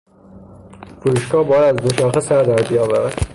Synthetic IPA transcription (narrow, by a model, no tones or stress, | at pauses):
fuɾuːʃɡɒːbɒːjæd̪æzd̪oʃɒːxesæɾd̪æɾbijɒːvæɾæd̪̥